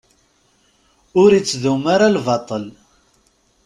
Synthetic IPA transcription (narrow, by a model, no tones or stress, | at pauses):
ʊɾit͡sːðumaɾalvɑt̪ˤəl